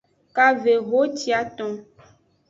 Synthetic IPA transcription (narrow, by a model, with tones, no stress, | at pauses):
ka˦ve˨ɣo˦t͡ʃi˦a˨t̪ɔ̃˦